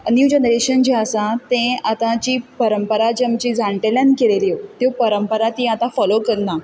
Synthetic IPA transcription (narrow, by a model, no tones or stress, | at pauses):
njud͡ʑenəɾeɕənd͡ʑeəsãt̪ẽat̪ãt͡ɕiːpəɾəmpəɾad͡ʑamt͡ɕiːd͡zʱaɳʈeljankeleliot̪jopəɾəmpəɾat̪ĩat̪ãfɔlokəɾna